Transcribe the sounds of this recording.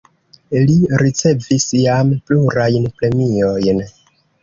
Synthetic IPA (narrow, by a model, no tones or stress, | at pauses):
liɾit͡se̞visjampluɾajnpɾe̞mio̞jn